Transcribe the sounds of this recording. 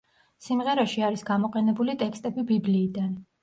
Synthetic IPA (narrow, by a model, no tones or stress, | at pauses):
simʁɛɾaʃiaɾisɡamɔqʼɛnɛbulit̪ʼɛkʰst̪ʼɛbibibliːd̪an